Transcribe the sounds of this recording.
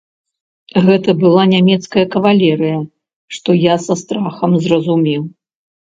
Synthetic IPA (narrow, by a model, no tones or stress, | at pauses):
ɣɛt̪ɐbɨlˠanʲamʲɛt̪skɐjɐkɐvalʲɛɾɨjɐ | ʂt̪ɔjasɐst̪ɾaxɐmzrɐzumʲiw